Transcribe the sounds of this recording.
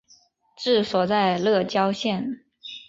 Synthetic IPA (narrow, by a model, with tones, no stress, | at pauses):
ʈ͡ʂɻ̩˥˩swɔ˨˩t͡sa˥˧ɪlɤ˥˩t͡ɕjɑ˥ʊɕjɛ˥˩n